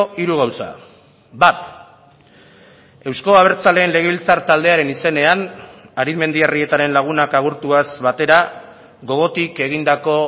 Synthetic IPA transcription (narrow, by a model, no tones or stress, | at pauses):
iɾuɣ̞awsa̰ | bat̪ | e̞wsko̞aβ̞e̞ɾt͡sale̞ːnle̞ɣ̞e̞βilt͡saɾt̪ald̪e̞aɾe̞nise̞ne̞anaɾiðme̞nd̪iarie̞t̪aɾe̞nlaɣ̞unakaɣ̞uɾt̪uazβat̪e̞ɾa | ɣo̞ɣ̞o̞t̪ike̞ɣ̞ind̪ako̞